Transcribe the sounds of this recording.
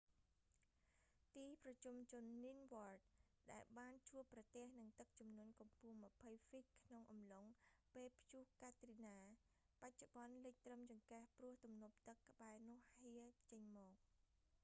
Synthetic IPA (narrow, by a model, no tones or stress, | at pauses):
t̪iːprɑt͡ɕumt͡ɕʊnːinʋoərt̪̚ | ɗaɛlɓaːnt͡ɕuəpːrɑt̪ĕəhnɨŋt̪ɨk̚t͡ɕumnuənkumpuəŋmə̆pʰəjfic̚kʰnoŋʔɑmloŋpeːlpʰjuhkaːt̪rinaː | pac̚t͡ɕuɓɑnlɨc̚t̪rəmt͡ɕɑŋkahprʊəht̪umnup̚t̪ɨkːə̆ɓaɛnʊ̆əhhiət͡ɕəɲmɔːk̚